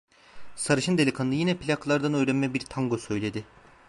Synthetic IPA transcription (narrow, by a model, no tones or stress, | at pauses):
saɾɯʃɯnd̪e̞lʲikʰanɯnɯjinɛpʰilʲaklˠaɾd̪anø̞jɾɛnmɛbiɾt̪ʰaŋɡosø̞jlʲe̞d̪ɪ